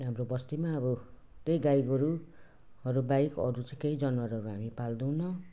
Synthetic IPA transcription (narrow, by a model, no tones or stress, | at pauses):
ɦamɾobʌst̪imaʌbʌ | t̪ejɡajɡʌɾu | ʌɾubajkʌ̰ɾut͡sʌj̃kejd͡zʌnmaɾuɦʌɾuɦamipald̪uw̃nʌ